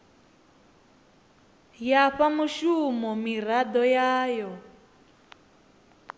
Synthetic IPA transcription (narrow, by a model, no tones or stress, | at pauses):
jaɸamuʃumɔmiɾad̪ɔjaːjɔ